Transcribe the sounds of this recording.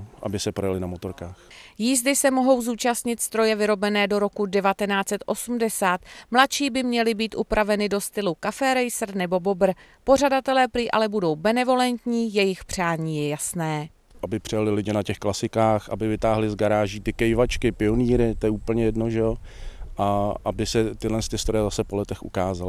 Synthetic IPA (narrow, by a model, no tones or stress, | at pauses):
ʔa̰bɪsɛpɾojalɪnamot̪oɾkaːxjiːzdɪsɛmo̞ɦo̞wzuːt͡ʃast̪ɲɪt̪st̪ɾo̞jɛvɪɾo̞bɛnɛːdo̞ɾo̞kudɛvat̪ɛnaːt͡sɛt̪ʔo̞sumdɛsaːt̪mlatʃiːbɪmɲɛlɪbiːt̪ʔupɾʔavɛnɪdo̞st̪ɪlukafɛɾɛjsr̩nɛbo̞bo̞br̩ | po̞radat̪ɛlɛːpɾiːʔa̰lɛbudo̞wbɛnɛvo̞lɛnt̪ɲiːjɛjɪxpr̝̥aːɲiːjɛjasnɛː | ʔabɪpr̥ɪjalɪlɪɟɪnacɛxklasɪkaːxʔa̰bɪvɪt̪aːɦlɪzɡaɾaːʒiːt̪ɪkɛjvat͡ʃkɪpɪoniːɾɪt̪ojɛuːpl̩ɲɛjɛdnoʒɛjoʔaʔabɪsɛt̪ɪdlɛnst̪ɪst̪ɾojɛzasɛpolɛt̪ɛxʔṵkaːzalɪ